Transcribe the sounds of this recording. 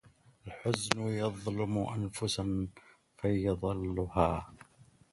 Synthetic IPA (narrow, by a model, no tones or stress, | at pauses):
ʔʔalħʊznʊjɑðˤlʊmʊʔanfʊsan | fajɑðˤɨlːʊhaː